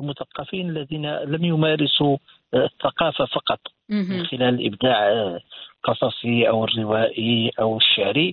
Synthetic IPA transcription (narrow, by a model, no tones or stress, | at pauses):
lmʊθɑqːɑfinəlːæd̪inæləmjʊmæɾɪsu | θːɑqɑfafɑqɑt̪ˤ | mənxɪlæləlʔə̰bd̪aʕlqɑsˤɑsˤiʔəwərːɪwæʔiʔəwəʃːaʕɾi